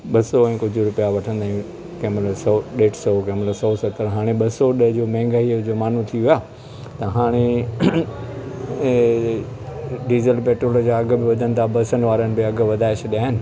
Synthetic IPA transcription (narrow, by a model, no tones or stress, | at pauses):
ɓɐsɔɛ̃ːkʊd͡ʑʱʊɾʊpijaʋɐʈʰə̃nd̪aːũ | kẽːmləsɔɗeːʈʰsɔkẽːmləsɔːsɐt̪əɾɦaːɽ̃eɓɐsɔɗɐɦd͡ʑoːmɛ̃ːŋɡaːid͡ʑoːmaːn̤ũt̪ʰiuʋaː | t̪ɐɦaːɽ̃e | ɖiːzəlpeːʈɾoːld͡ʑaɐɡ̆bɪʋɐd̪ʱənɪ̆t̪ʰabɐsənʋaːɾənɪ̆bɪɐɡʋɐd̪ʱaːɪɕɗiaːɦɪnɪ̆